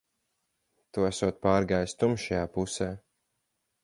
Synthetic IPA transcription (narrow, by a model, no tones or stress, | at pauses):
t̪uæsuɔt̪̚paːɾɡajst̪umʃajaːpusɛː